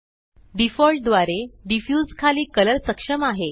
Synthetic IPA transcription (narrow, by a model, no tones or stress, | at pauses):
ɖifɔlʈ̚d̪ʋaɾeɖifjud͡zkʰaliːkələlsəkʂəmaɦe